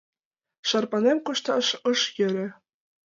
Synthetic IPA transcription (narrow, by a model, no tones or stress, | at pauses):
ʃɑrpɑnʲemkuʃt̪ɑʃɤ̆ʃjɘ̆ɾʲɘ̆